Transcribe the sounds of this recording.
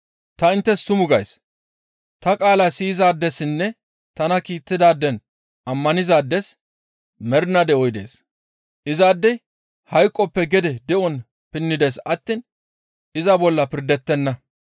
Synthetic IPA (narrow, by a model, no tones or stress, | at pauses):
t̪ɐɪnt̪ːɛst̪ʊmʊɡɐjs | t̪ɐkʼaːlasiːzaːd̪ːɛsɪnːɛ | t̪ɐnɐkiːt̪ːɪd̪aːd̪ːɛn | ʔɐmːɐnɪzaːd̪ːɛs | mɛɾnɐd̪ɛɔjd̪e̞̰ːs | ʔɪzaːd̪ːɛ | hɐjkʼːɔpːɛɡɛd̪ɛd̪ɛʔɔn | pɪnːɪd̪esɐt̪ːiːn | ʔɪzɐbɔlːɐpɪɾd̪ɛt̪ːɛnːɐ